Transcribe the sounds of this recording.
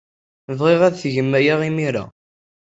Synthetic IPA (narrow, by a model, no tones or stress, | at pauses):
vʁeʁæðθʝəmːæjaʁimiɾa̰